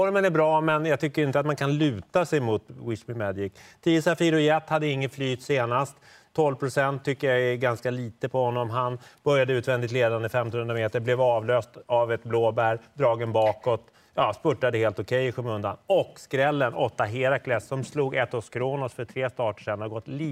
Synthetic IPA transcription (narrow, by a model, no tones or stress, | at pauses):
fɔɾmənæbɾɑːmɛnjaːɡ̚t̪ʰʏkːəɾɪnt̪əat̪mankʰanlʉ̟ːt̪asɛjmʊt̪wɪsmɪmɛd̪jɪkt̪ʰiːəsafiɾʊjɛt̪ːhad̪ːəɪŋːənflyːt̪seːnast̪ʰː | ɔlvpʰɾʊsɛnt̪ʰːʏkːəjaɛɡanskaliːt̪əpʰɔhɔnːɔmɦanb̥œɾjad̪əʉːt̪vɛnd̪ɪt̪leːd̪and̪əfɛmt̪ɔnhɵnɾameːt̪əɾblɛvɑːvløːst̪avɛt̪bloːbæɾd̪ɾɑːɡənbɑːkɔt̪ | jɑːspɵʈːad̪əheːlt̪ɔkʰɛjɪɧɵmɵnd̪a̰nɔkskɾɛlːənʔɔt̪ːaɦeːɾakʰlɛsːɔmsluːɡɛt̪ːɔskʰɾoːnɔsfœʈʰɾeːst̪ɑːʈə̥ʂɛnːhaɾɡɔt̪ːliː